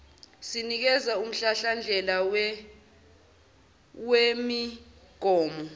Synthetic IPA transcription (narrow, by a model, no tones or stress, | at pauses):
sinik̬ɛzaum̩ɬaɬand͡ɮʱɛlaw | wemi | ɡ̥ʱɔːmɔ